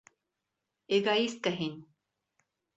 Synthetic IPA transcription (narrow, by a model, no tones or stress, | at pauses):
eɡaːiskɐɦen